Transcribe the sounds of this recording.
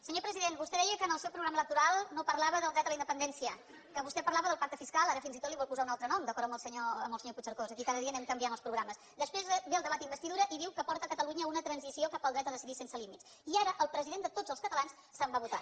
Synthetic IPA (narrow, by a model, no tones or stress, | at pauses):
səɲopɾəziðenbust̪eɛjəkəːnəlˠsɛwpɾuɣɾamələkt̪uɾalˠnopəɾlaβəðəlˠd̪ɾɛd̪ələind̪əpənd̪ɛnsiə | kəβust̪ɛpəɾlaβəðəlˠpak̚t̪əfiskalˠaɾəfinzit̪ot̪liβɔlˠpuzaunalˠt̪ɾənɔmd̪əkɔɾt̪əmbəlˠsəɲoəmbəlsəɲoput͡ʃəɾkozəkikaðəðiənɛmkəmbianəlˠspɾuɣɾaməsd̪əspɾezbeəlˠd̪əβat̪imbəst̪iðuɾəʔiðiwkəpɔɾt̪əkət̪əluɲəunət̪ɾənzisiokapəlˠd̪ɾɛt̪əðəsiðisensəlimit̪s | iaɾəʔəlˠpɾəziðend̪ət̪odzəlskət̪əlans | sːəmbaβut̪a̰